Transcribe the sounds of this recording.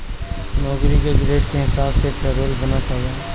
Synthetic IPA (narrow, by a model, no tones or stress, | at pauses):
nɔːkɾikeɡɾeːʈkeɦɪsaːbsepɛːɾoːlbɐnat͡ʃaːa